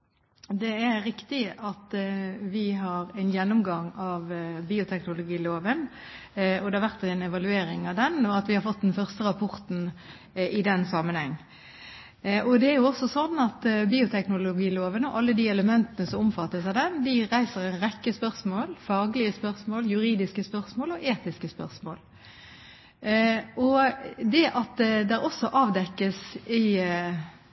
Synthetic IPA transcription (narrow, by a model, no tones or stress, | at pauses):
d̪ɛæɾɪkt̪ɪɑt̪ʋɪɦɑɾæɪnjɛnːʊmɡɑŋɑʋbiːʊt̪ʰɛknʊlʊɡiːloːʋən | ɔd̪ɛhɑɾʋæʁt̪ɛnɛʋɑlʉeːɾɪŋɑʋd̪ɛnɔɑt̪ʋɪhɑɾfɔt̪̚ːd̪ɛnfœʁst̪əɾɑpʰɔʁt̪n̩ | ɪd̪ɛnsɑmənhɛŋː | ɔd̪ɛæɾjʊɔsɔsɔnːɑt̪biːʊt̪ʰɛknʊlʊɡiːloːʋənɔʔɑlːəd̪iːɛləmɛnt̪ənəsɔmʊmfɑt̪ːəsæd̪ɛnd̪ɪɾæɪsəɾɛnʁɛkːəspœʁsmoːlfɑːɡlɪəspœʁsmoːljʉɾiːd̪ɪskəspœʁsmoːlɔʔeːt̪ɪskəspœʁsmo̰ːl | ʔɔd̪ɛʔɑt̪d̪ɛɾɔsːɔʔɑːʋd̪ɛkːəsɪ